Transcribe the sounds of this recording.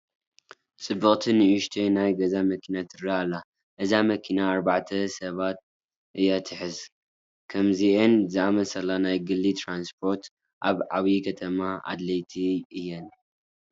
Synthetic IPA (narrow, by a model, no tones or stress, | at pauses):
t͡sʼɨbɨχʼt̪ʰɨnɨʔuʃt̪ʰenajɡɐzamɐkʰinat̪ʰɨɾaalːa | ʔɨzamɐkʰinaːɾbaʕt̪ʰɐsɐβat̪̚ | ʔɨjːat̪ʰɨħɨz | kʰɐmziʔɨnzɨʔamɐsɐlːanajɡɨlːit̪ʰɾanspʰo̞ɾt̪ | ʔa̰βʕaβikʰɐt̪ʰɐmaʔa̰d̪lɐjt̪ʰiɨjːɛn